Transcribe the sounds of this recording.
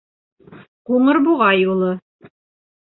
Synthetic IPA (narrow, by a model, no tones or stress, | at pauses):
quɴɤɾbuʁɑjulˠɤ